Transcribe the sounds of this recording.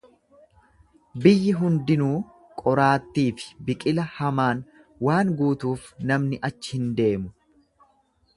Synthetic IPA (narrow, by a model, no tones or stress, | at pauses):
bɪjːɪɦʊnd̪ɪnuː | kʼɔɾaːt̪ːiːfɪ̥bɪkʼɪlɐhɐmaːn | waːŋɡuːt̪uːfnɐmnɪʔɐt͡ʃːɪ̥hɪnd̪e̞ːmʊ